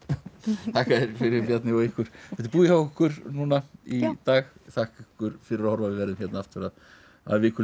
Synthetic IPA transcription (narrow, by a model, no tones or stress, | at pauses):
t̪ʰaːhkaðɪɾ̥fɪɾɪɾpjat̪nɪɔɣɪhkʏɾ̥ɛt̪ɪɾpuːðɪhawʏkʏɾ̥nuːnait̪aːɣθahkɪkʏɾ̥fɪɾɪɾahɔɾvavɪvɛɾðʏmçɛt̪naaft̪ɪɾað | a̰ðvɪːkʏl